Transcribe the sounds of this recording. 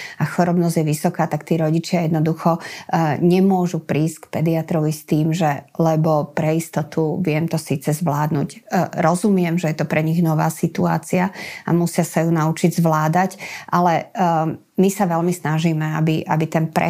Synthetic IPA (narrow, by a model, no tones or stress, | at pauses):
akxɔɾɔbnɔzɟjɛʋisɔkaːt̪akt̪iːɾɔɟit͡ʃɪajɛd̪nɔd̪uxɔɲɛmʊɔʒupɾiːskpɛd̪iat̪ɾɔʋist̪iːmʒɛlɛbɔpɾɛist̪ɔt̪uʋɪɛmt̪ɔsiːt͡sɛzʋlaːd̪nṵɟɾɔzumɪɛmʒɛjɛt̪ɔpɾɛɲiɣnɔʋaːsit̪ua̰ːt͡siaa̰musɪasajunaut͡ʃiɟzʋlaːd̪acʔalɛ | misaʋɛlmisnaʒiːmɛabiʔa̰bit̪ɛnpɾɛ̰